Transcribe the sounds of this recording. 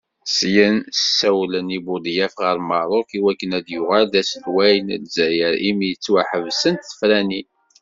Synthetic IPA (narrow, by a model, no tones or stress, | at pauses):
sjənsəsæwlənibʊd̪ˤjæfʁəɾmɑɾˤokiwækːənæd̪jʊʁæld̪æsəlwæjənd̪zæjəɾimijət͡sːwaħəvsənt̪θə̥fɾæni